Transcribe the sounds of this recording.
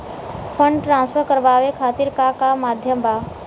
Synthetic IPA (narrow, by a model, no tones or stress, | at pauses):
fʰə̃ɳɖʈɾãːnsfʰəɾkəɾʋaːʋekʰaːt̪iɾkakamaːd̪ʱjəmba